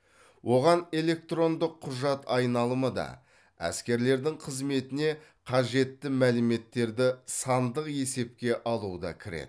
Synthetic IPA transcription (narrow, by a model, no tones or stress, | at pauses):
wʔo̞ʁɑne̞lʲe̞k̚t̪ro̞nd̪əqʰːʊʒɑt̪ɑjnɑlˠəməd̪ɑ̰ | æ̰skʲe̞ɾle̞ɾd̪ɪŋqʰəzme̞t̪ɪne̞ | qʰɑʒe̞t̪ːɪmælɪme̞t̪ːe̞ɾd̪ɪsɑnd̪əqje̞se̞p̚kʲe̞ʔɑlˠuəd̪ɑ̰kʲʰɪɾḛd̪ɪ